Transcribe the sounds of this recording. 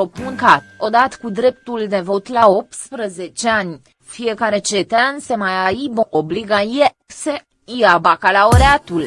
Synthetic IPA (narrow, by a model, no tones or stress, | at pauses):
opuŋkat̪o̞d̪at̪kud̪ɾe̞p̚t̪uld̪e̞vo̞t̪lao̞p̚t̪spɾəze̞t͡ʃeanʲ | fije̞kaɾe̞t͡ʃe̞t̪eanse̞majaiboobliɡae | se | iabakalaoɾeat̪ul